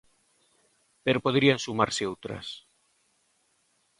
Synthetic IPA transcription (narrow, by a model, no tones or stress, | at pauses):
peɾopoðɾiansumaɾseowt̪ɾa̰s